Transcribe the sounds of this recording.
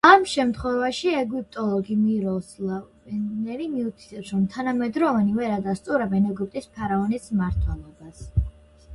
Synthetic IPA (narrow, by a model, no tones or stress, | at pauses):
amʃɛmt̪ʰχwɛvaʃiɛɡwip̚ʰt̪ʼɔlˠɔɡimiɾɔsla | nɛɾimiut̪ʰi̥t̪ʰʼɛpsɾɔmt̪ʰanamɛd̪ɾɔvanivɛɾad̪ast̪sʼuɾɛbɛnɛɡyp̚ʼt̪ʼispʰaɾaɔnismaɾt̪ʰwɛlˠɔbas